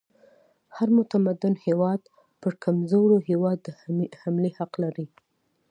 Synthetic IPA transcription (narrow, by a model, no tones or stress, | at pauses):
haɾmʊt̪amad̪ʊnhewɑd̪ | pəɾkʰamzoɾohewɑd̪ːəhamlehaqlaɾi